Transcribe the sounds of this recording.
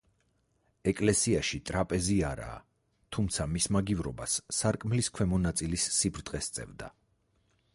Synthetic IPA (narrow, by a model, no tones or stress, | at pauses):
ɛkʼlɛsiaʃit̪ʼɾapʼɛziaɾa̰ː | t̪ʰumt̪sʰamismaɡivɾɔbasːaɾkʼmliskʰwɛmɔnat̪sʼilisːibɾdt̪ʼqʼɛst̪sʼɛ̰vd̪a̰